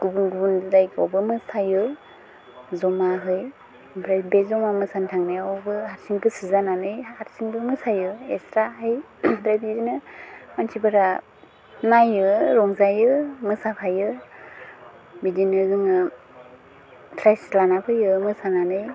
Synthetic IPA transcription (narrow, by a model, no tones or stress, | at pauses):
ɡ̥ubunɡubunddajkʰɔ̰wbɯmɯsajɯ | zɔmaɦɯj | bʰɾabezɔmamɯsantʰaŋnɯjawbɯhaɾsiŋbɯsɯzananɯjhaɾsiŋbɯmɯsajɯestɾaɦɯj | dɾajbizinɯmansʰibɯɾa | najɯɾɔŋzajɯmɯsapʰajɯ | midinɯɡɯŋɯ | tʰɾajslanapʰɯjɯmɯsananɯj